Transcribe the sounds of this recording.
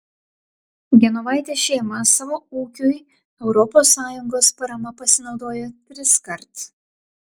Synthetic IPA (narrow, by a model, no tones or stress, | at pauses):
ɡʲɛnɔʋɑˑɪt̪ʲeʃʲɛːmɐsɑːʋoːuːkʲʊj | ɛʊɾɔpoːsːɑːjʊŋɡoːspɐɾɐmɐpɐsʲɪnɒʊd̪oːjot̪ʲɾʲɪskɐɾt̪